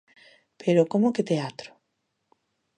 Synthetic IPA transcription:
peɾokomoket̪eat̪ɾo̥

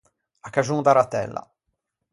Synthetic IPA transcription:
akːad͡ʒuːnd̪aɾat̪ːɛ̰lːa̰

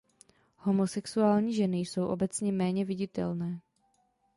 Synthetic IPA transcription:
ho̞mo̞sɛksuaːlɲiːʒɛnɪjso̞wʔo̞bɛt͡sɲɛmɛːɲɛvɪɟɪt̪ɛ̰lnɛː

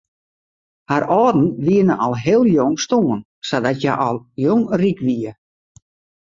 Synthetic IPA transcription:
haɾɔːdn̩ʋiənəʔɔlˠɦɪːəlˠjoŋstoːən | sadɔtjaʔɔlˠjoŋrikʋiə

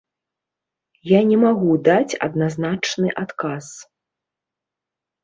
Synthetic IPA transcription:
janʲɛmaɣud̪at͡sʲɐ̰d̪naznat͡ʂnɨʔat̪kas

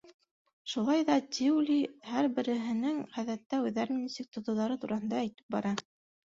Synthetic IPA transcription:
ʃulˠɑjðɑt̪ʲiwlʲihæɾbɘ̆ɾɘ̆ɦɘ̆nɘŋʁæðæt̪ːæʉðæɾɘnnisɘk̚t̪ŏt̪ŏðɑɾɤt̪uɾɑhɤ̆nd̪ɑːjt̪ɘ̥p̚bɑɾɑ

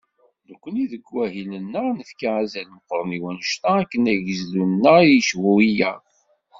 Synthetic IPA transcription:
nəkʷːəniðəɡːæɦilənːənəfkaæzælməqɾˤəniwænəʃt̪æækːənæʝəzlunːəijʃwuijæ

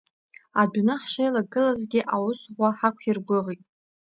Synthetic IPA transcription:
adnaħʃejlaɡɨlazɡʲɪʔawʊsʁʷaħakʷʰirɡʷʊʁitʼ

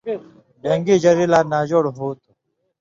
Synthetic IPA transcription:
ɖeŋɡid͡ʑɐɾilaːnaːd͡ʑoːɽɦuːt̪u

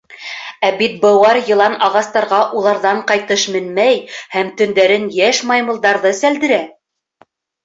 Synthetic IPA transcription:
æbit̪̚bɤ̆wɑɾjɤ̆lˠɑnɑʁɑst̪ɑɾʁɑʔulˠɑɾðɑɴqɑjt̪ɤʃmɘnmæjhæmt̪ɵ̆nd̪æɾɘnjæʃmɑjmɤ̆lˠd̪ɑɾðɤsæld̪ɘ̆ɾæ

